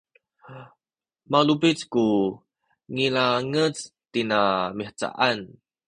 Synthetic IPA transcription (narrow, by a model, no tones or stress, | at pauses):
malubit͡sku | ŋilaŋət͡st̪inamiħt͡sa̰ʔan